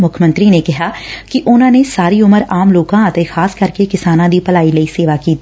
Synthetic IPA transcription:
mʊkʰmə̃nt̪ɾiːnekɪɦaːkɪʔʊnãːnesaːɾiːʊməɾaːmloːkãːt̪ẽːxʰaːskəɾkekɪsaːnãːd̪iːpəlaːiləiːseːʋaːkiːt̪i

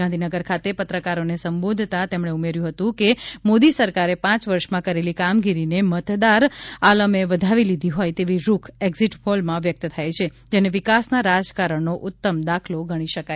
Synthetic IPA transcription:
ɡãnd̪ʱinəɡəɾkʰat̪epət̪ɾəkaɾonesəmbod̪ʱt̪at̪emɳeumeɾjũɦət̪ũkemod̪isəɾkaɾepãt͡ʃʋəɾʃmãkəɾelikamɡiɾinemət̪d̪aɾaləmeʋəd̪ʱaʋilid̪ʱiɦojt̪eʋiɾukʰeɡziʈfolmãʋjək̚t̪t̪ʰajt͡ʃʰe | d͡ʒeneʋɪkasnaɾad͡ʒkaɾəɳnoʔʊt̪ːəmd̪akʰloɡəɽ̃iʃəka

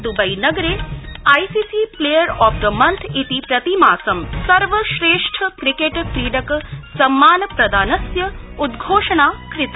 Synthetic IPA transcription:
d̪ubɐjnɐɡɾeːajsiːsipleːjəɾɔːfd̪əmɐnt̪ʰit̪ipɾɐt̪imaːsɐmsɐɾʋəʃɾeːʂʈʰəkɾikeʈkɾiːɖɐksɐmːaːnpɾɐd̪aːnɐsjɐud̪ɡʱoːʂɐɳaːkɾɪt̪

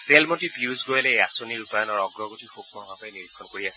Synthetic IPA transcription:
pʰelmɔntipiuzɡojɔlɛejasoniɹupajɔnɔɹɔɡɹɔɡotixokmɔbapajniɹikʰːɔnkoɹiasɛ

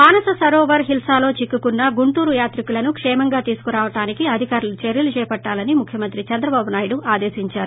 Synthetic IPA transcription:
aːnɐsɐsɐɾoːʋɐɾɦilsaːlo̞ːt͡ʃikːukunːɐɡuɳʈuːɾujaːt̪ɾikulɐnukʂɛːmɐŋɡaːt̪iːsu̥kuɾaːʋɐʈaːnikiɐd̪ʱikaːɾulut͡ʃeɾjɐlut͡ʃɛːpɐʈːaːlɐnimukʰjɐmɐnt̪ɾit͡ʃɛnd̪ɾɐbaːbunaːjɽuaːd̪e̞ːsiɲt͡ʃaːɾu

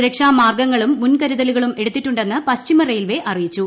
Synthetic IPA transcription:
ɾɐkʂaːmaːrɡɐŋːɐɭumːunkɐɾuðɐluɣɐɭume̞ɽut̪ːiʈːuɳɖe̞nːɨpɐɕt͡ɕimɐrejlʋe̞ʔɐrijit͡ɕːu

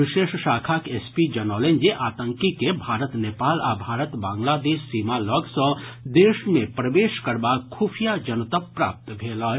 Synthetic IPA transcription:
ʋɪʃeːʃʃaːkʰaːkeːspid͡ʒɐnɔːlẽnd͡ʒeʔaːt̪ə̃ŋkikebʱaːɾət̪neːpaːlabʱaːɾət̪bãːŋɡlaːd̪eːʃːiːmalɔɡsə̃d̪eːʃmẽpɾəʋeːʃkɐɾbakʰuːfʰijad͡ʒɐnət̪əpːɾa̰ːp̚t̪bʱeːla

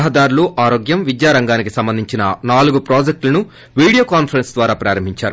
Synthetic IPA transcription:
ɦɐd̪aːɾuluʔaːɾoːɡjɐmʋid̪jaːɾɐŋɡaːnikisɐmbɐnd̪ʱiɲt͡ʃinɐ̰naːluɡupɾoːd͡ʒek̚ʈlɐnu | ʋiːɽijoːkaːnpʰɐɾensd̪ʋaːɾaːpɾaːɾɐmbʱiɲt͡ʃa̰ːɾu

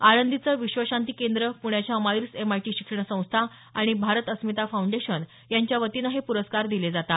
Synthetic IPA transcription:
aɽənd̪it͡səʋiɕʋəɕant̪ikend̪ɾəpuɽ̃jat͡ɕjamajɾsemajʈiɕikʂəɳ̃sə̃w̃st̪ʰa | aɽ̃ibʱaɾət̪əsmit̪afauɳɖeɕən | jaɲt͡ɕjaʋət̪inaɦepuɾəskaɾd̪iled͡zat̪a

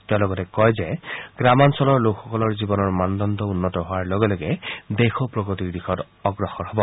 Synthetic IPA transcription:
tɛʊ̃lɔɡɔtɛkɔjzɛɡ̥ɹamansɔlɔɹlokxɔkɔlɔɹzibɔnɔɹmandɔndɔunːɔtɔɦʊaɹloɡɛlɔɡɛdexɔpɹɔɡɔtiɹdixɔt | ɔɡɹɔxɔɹɦɔbɔ

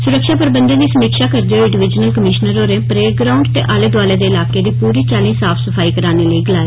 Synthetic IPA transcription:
sʊɾəkʃaːpəɾbənd̪ẽːd̪iːsəmiːkʃaːkəɾd̪eoɪɖɪʋɪd͡ʒnəlkəmɪʃnəɾoːɾeːpɾeːɡɾaːʊ̃ɳɖt̪eːʔaːleːd̪waːleːd̪eːɪlaːkeːd̪iːpuːɾiːt͡ʃaːlĩːsaːpʰsəfʰaːiːkəɾaːneːləiːɡəlaːeː

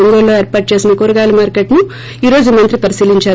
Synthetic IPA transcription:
oŋɡoːlːo̞ːeːɾpaːʈ̚t͡ʃe̞ːsinɐkoɾuɡaːlɐmaːɾkeʈnu | iːɾo̞ːd͡ʒumɐnt̪ɾipɐɾisiːliɲt͡ʃaː

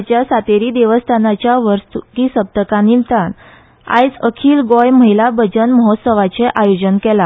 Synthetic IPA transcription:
t͡ɕjasat̪eɾiːd̪eʋəst̪ʰanat͡ɕjaʋəɾst̪ukisəb̚t̪əkãnint̪an | a̰jt͡səkʰiːlɡɔjməɦilabəd͡zənməɦɔt̪səʋat͡seʔajod͡ʑənkɛla

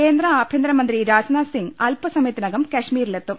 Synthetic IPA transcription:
eːnd̪rɐaːbʱjend̪ɾɐmɐnd̪ɾiɾaːd͡ʑɐnaːsiŋɡɐlpɐsɐmjet̪ːinɐɣɐmkɐʂmiːɾilet̪ːum

